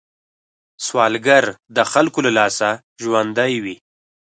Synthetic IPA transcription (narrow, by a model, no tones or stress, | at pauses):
swɑlɡaɾd̪əxalkolalɑsa | ʒwand̪ajwi